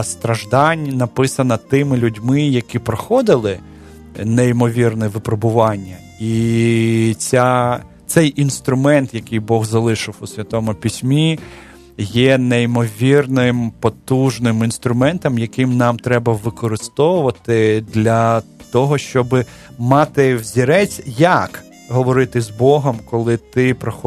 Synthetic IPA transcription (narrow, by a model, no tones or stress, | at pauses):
st̪ɾɐʒd̪ɑnʲnɐpɪsɐnɐt̪ɪmɪlʲʊdʲmɪjɐkipɾɔxɔd̪ɪlˠɪ | neimɔʋʲirnɛʋɪpɾɔbʊʋɑnʲːɐ | i | t͡sʲa | t̪sɛjʔinst̪ɾʊmɛnt̪jɐkɪjbɔɣzɐlˠɪʃɪwʊsʲʋʲɐt̪ɔmʊpʲisʲmʲi | jɛneimɔʋʲirnɪmpɔt̪uʒnɪminst̪ɾʊmɛnt̪ɔmjɐkɪmnɑmt̪ɾɛbɐʋɪkɔɾɪst̪ɔʋʊʋɐt̪ɪd̪lʲɐt̪ɔɦɔʃt͡ʃɔbɪ | mɑt̪ɪwzʲiɾɛt͡sʲjɐk | ɦɔʋɔɾɪt̪ɪzbɔɦɔmkɔlˠɪt̪ɪpɾɔxɔ